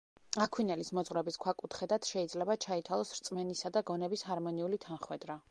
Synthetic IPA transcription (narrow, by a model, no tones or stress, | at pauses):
akʰwinɛlismɔt̪zʼʁɾɛbiskʰwakʼut̪ʰχɛd̪at̪ʰʃɛid̪zlɛbat͡ʃʰait̪ʰwalˠɔsɾt̪sʼmɛnisad̪aɡɔnɛbisɦaɾmɔniulit̪ʰanχwɛd̪ɾa